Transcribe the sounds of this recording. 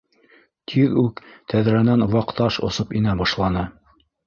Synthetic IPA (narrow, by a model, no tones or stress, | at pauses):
t̪ʰiðʉkt̪ʰæðɾænænwɑqt̪ɑʃŏ̰sɤpinæbɑʃlˠɑnɤ